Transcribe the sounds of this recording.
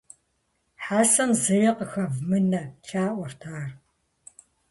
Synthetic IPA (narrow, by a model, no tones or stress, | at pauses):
ħaːsɐmzɐjɐqəxɐvmɨnɐt͡ʃʰʼaːʔʷɔrtʰaːr